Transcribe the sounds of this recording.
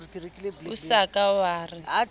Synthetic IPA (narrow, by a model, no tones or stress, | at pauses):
usakawaːrɪ